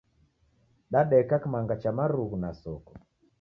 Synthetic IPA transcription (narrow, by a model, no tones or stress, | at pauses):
ɗaɗɛkakimaŋɡat͡ʃamaɾuɣunasɔkɔ̥